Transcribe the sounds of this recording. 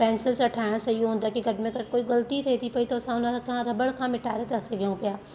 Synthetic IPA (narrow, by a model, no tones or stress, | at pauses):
pɛ̃ːnsɪlsɐʈʰaːɽ̃sɐiõːnd̪aːkiɡɐʈmẽkɐɾkoːiɡɐlt̪it̪ʰeːt̪ʰipɐit̪osãʊnãkɐɦãɾɐbəɽkʰãːmɪʈaːɾet̪aseɡeõpjaː